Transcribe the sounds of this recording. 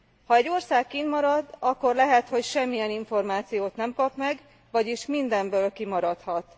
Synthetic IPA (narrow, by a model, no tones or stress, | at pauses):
hɒɛɟːo̞rsaːkkːinmɒɾɒd̪ɒkːo̞rlɛɦɛt̪ho̞cʃɛmːijɛniɱfo̞rmaːt̪sijoːt̪nɛmkɒpmɛɡ | vɒɟiʃmind̪ɛmbøːlkimɒɾɒt̪hɒt̪